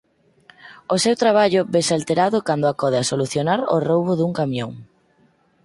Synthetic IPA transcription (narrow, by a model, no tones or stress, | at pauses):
osewt̪ɾaβaʎʊβesalt̪eɾaðʊkand̪oakɔð̞easoluθjonaɾo̰rowβʊðuŋkamjõŋ